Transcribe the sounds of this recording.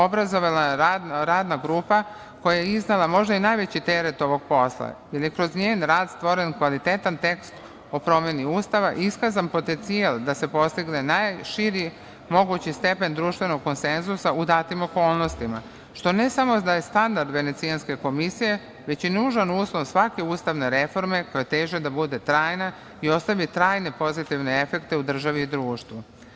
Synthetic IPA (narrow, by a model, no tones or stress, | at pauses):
obɾazo̞ʋalaɾad̪naɾaːd̪naɡɾuːpa | ko̞jajeiznelˠamo̞ʒd̪ainajʋet͡ɕit̪eɾet̪o̞ʋo̞ɡ̚po̞slˠa̰je̞ljekɾo̞zɲeːnɾaːd̪st̪ʋo̞ɾe̞nkʋalit̪et̪ant̪e̞kst̪ | o̞pɾo̞mjeniuːst̪aʋaʔiskazampo̞t̪e̞nt̪sialˠd̪ase̞po̞st̪iɡne̞najʃiɾi | mo̞ɡut͡ɕist̪e̞pe̞nd̪ɾuːʃt̪ʋe̞no̞ɡ̚ko̞nsenzusaʔud̪aːt̪imo̞ko̞ːlˠno̞st̪ima | ʃt̪o̞ne̞samo̞d̪aje̞st̪and̪aɾd̪ʋe̞ne̞t̪sianske̞ko̞misije̞ | ʋet͡ɕenuːʒanuːslˠo̞ʋsʋake̞uːst̪aʋne̞ɾe̞fo̞ɾme̞kojet̪eːʒed̪abud̪e̞t̪ɾaːjna | io̞st̪aʋit̪ɾaːjne̞po̞zit̪iʋne̞e̞fe̞kt̪e̞ud̪r̩ʒaʋiːd̪ɾuːʃt̪ʋu